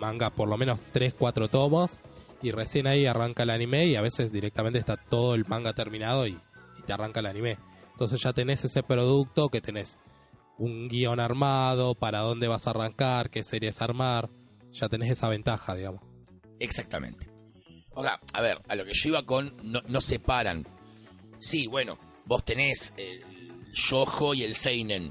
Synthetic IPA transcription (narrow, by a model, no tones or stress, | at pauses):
mãŋɡapoɾlo̞mẽ̞no̞st̪ɾe̞skwat̪ɾot̪o̞mos | iresjenaiaraŋkaelanimeiaβe̞se̞zðiɾek̚t̪am̃nt̪est̪at̪o̞ð̞o̞e̞lmãŋɡat̪eɾmĩnað̞o̞iːt̪earaŋkalanĩme̞ent̪o̞ns̬e̞sʒ̥at̪e̞ne̞se̞se̞pɾo̞ð̞uk̚t̪o̞ke̞t̪e̞ne̞s | uŋɡio̞naɾmað̞o̞paɾaðo̞nd̪e̞βasaːraŋkaɾkeseɾjesaɾmaɾ | ʒ̥at̪e̞ne̞se̞saβ̞e̞nt̪axaðiɣamo̞s | eksak̚t̪amḛ̃nt̪e̥ | oa̰a̰βeɾalo̞keʃoiβako̞nːonosepaɾa̰n | siβwe̞no̰ | bo̞st̪e̞ne̞se | ʃoxo̞ie̞lsejnen